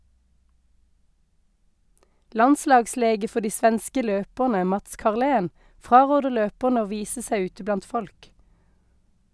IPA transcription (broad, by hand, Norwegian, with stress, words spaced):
ˈlɑnˌslɑːɡˌsleːɡə ˈfɔ ˈdiː ˈsʋɛnskə ˈløːpəʁnə ˈmɑts kɑʁˈleːn ˈfʁɑːˌʁoːdə ˈløːpəʁnə ˈoː ˈʋiːsə ˈsæɪ ˈʉːtə ˈblɑnt ˈfɔlk